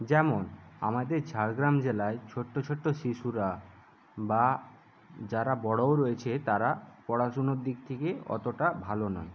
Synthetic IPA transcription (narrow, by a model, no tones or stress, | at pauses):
d͡ʑɛmona̰mad̪eɾt͡ɕaɾɡɾamd͡ʑelaet͡ɕʰoʈːot͡ɕʰoʈːoʃiʃuɾa | ba | d͡ʑaɾabɔɽowɾoet͡ɕʰet̪aɾapɔɽaʃunoɾd̪ik̚t̪ʰekeɔ̰t̪oʈabʱalonɔ̰e